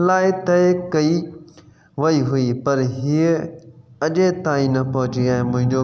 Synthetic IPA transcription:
laːɪt̪ɐekɐi | ʋɐiɦʊipɐɾɦie | ɐʄet̪aːĩnɐpɐɦʊ̃t͡ɕiãːɦɪ̃mʊ̃ɦɪ̃ɲd͡ʑo

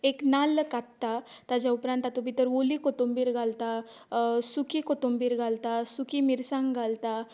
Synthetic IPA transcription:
eknalkat̪t̪ːat̪ad͡ʑjaupɾãnt̪at̪obʱit̪əɾʋolikɔt̪ombiːɾɡʱalt̪a | sukikot̪ombiːɾɡʱalt̪asukimiɾsãŋɡʱalt̪a

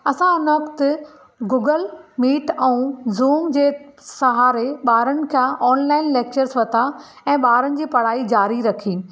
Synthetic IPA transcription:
ɐsãɪnʋɐkt̪ʊ | ɡuːɡəlmiːʈɛ̃ũzuːmd͡ʑeːsɐɦaːɾeɓaːɾənɪ̆kʰãʔɔːnlaːɪnleːk̚t͡ɕəɾzʋɐt̪ʰa | ɛ̃ːɓaːɾənɪ̆d͡ʑiːpɐɽ̤aːid͡ʑaːɾiɾɐkʰiː

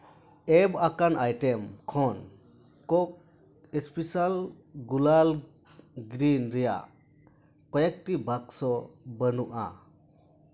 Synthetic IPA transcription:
ebakanʔajtemkʰɔn | kɔk̚ | espisal | ɡulal | ɡɾinɾija̰ | kɔjak̚tibak̚sɔbənuʔa̰

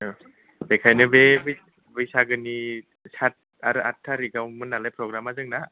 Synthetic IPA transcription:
bekʰajnɯbeb | bɯjsaɡɯni | sat̚ | aɾɯʔatʰːaɾiɡawmɯnːalajpʰɾɔɡɾamazɯŋna

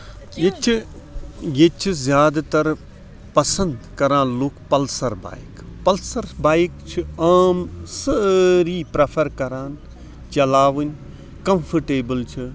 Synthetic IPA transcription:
jet͡ʃʰ | jet͡ʃʰizjaːd̪at̪ɐɾ | pɐsɐ̃nd̪kɐɾãːnlukpɐlsɐɾba̰ːjkpɐlsɐɾbaːjkt͡ʃʰiaːmsɐɾiːpɾɐpʰɐɾkɐɾaːn | t͡ʃɐlaːʋɨnʲ | kɐmfʰɐʈeːbɨlt͡ʃʰi

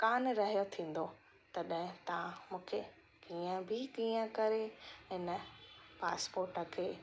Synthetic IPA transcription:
kaːnɾɐɦijot̪ʰĩːn̆d̪o | t̪ɐɗɦɪ̃t̪ɐʋãmũːkʰe | kiːə̃bʱɪkiːə̃kɐɾeɦɪnəpaːspoːɾʈəkʰeː

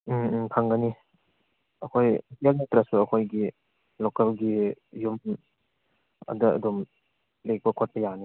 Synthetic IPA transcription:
kʰaŋɡəni | ɐkʰojkialnetɾasuɐkʰojɡi | lokɐlɡijum | ɐ̰dɐɐ̰dom | lek̚pɐkʰot̚pɐjani

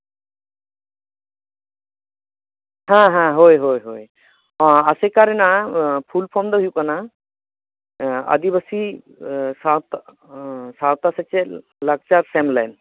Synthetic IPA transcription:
ɦãɦãɦojɦojɦoj | ɔ̃asɛkaɾɛnapʰulpʰɔmd̪ɔɦjukana | ə̰d̪ibəsi | sawt̪ | sawt̪asɛt͡ʃɛ | laɡ̚t͡ʃaɾsɛmlajn

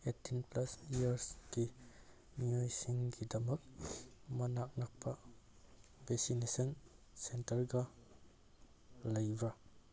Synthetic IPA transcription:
etːinplasiaɾsɡ̥i | miajsiŋɡidɐmɐk̚mɐnak̚nak̚pʰa | besinesɔn | sentɐɾɡa | lajbɾa

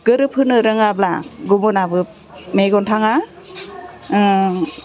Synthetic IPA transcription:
ɡ̥ɯɾɯpʰɯnɯɾɯŋabla̰ɡubɔnabɯ | meɡɔntʰaŋa

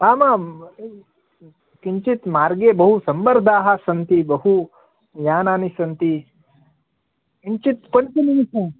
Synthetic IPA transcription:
aːma | kiɲt͡ʃit̪maːɾɡebɐɦusɐmbɐɾd̪ʱaːɦasɐnt̪ibɐɦu | jaːnaːnisɐnt̪i | kiɲt͡ʃit̪̚pənkinimise

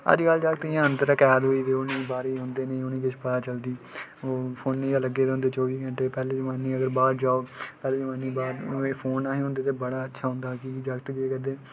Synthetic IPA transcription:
ə̰d͡ʒkəld͡ʒəːkt̪ːãːənt̪əɾəkɛːd̪ɦoːiːt̪eːʊnẽːbaːɾiːɦʊ̃nd̪eːnẽːʊnĩːkɪt͡ʃʰpət̪aːt͡ʃəld̪iːoːpʰoːnːẽːaːləɡeːd̪̃ːnd̪eːt͡ʃɔːʋiːɡəɳʈeːpɛːleːd͡ʒəmaːnĩːəɡəɾbaːɾd͡ʒaːoːpɛːleːd͡ʒəmaːnĩːbaːɾeːpʰoːnaːɦeːɦõːnd̪eːt̪̬eːbəɽaːətːʃʰaːɦʊ̃ːnd̪aːkid͡ʒakt̪d͡ʒeːkəd̪eː

